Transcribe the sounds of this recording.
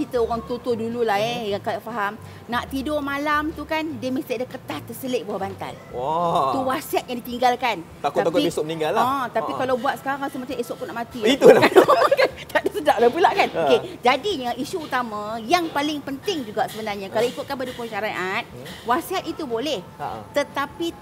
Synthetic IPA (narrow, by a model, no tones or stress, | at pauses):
t͡ʃit̪əoɾaŋt̪ut̪udululahɛjaŋkadaʔfaɦam | naʔt̪idomalamt̪ukandiəməst̪iadəkət̪aht̪ərsəleʔbuahbant̪a̰l | at̪uwasiat̪̚jaŋdit̪iŋɡalkan | t̪akʊat̪akaiisʊmənĩŋɡalːaɔ̃t̪apkikalawbuat̪̚sə̥kaɾaŋasəmat͡ʃamesoʔkunaʔmat̪ilait̪ulakankat̪aʔdasədaʔlapulaʔkanoked͡ʒadiɲəʔisuːt̪amãjaŋpalɪŋpənt̪ɪŋd͡ʒuɡaʔsəbənarɲãkalawikʊt̪̚kanbədukuŋʃaɾaʔat̪̚wasiɦat̪̚it̪ubolɛht̪ət̪api